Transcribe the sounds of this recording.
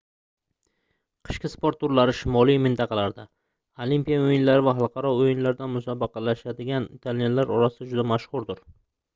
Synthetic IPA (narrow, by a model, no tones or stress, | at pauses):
qʰɨ̥ʃkʲɪspoɾt̪ːʊɾlaɾɪʃɪmɒlˠijmɪnt̪ʰɑqʰɑlaɾd̪a | olimpijaojɪnlaɾɪvaɦɑlˠqʰɑɾɒojɪnlaɾd̪anmʊsabɑqʰɑlaʃad̪ɪɡʲant̪ʰalnelaɾɒɾasɪd̪ad͡ʒʊd̪amaʃχʊɾd̪ʊɾ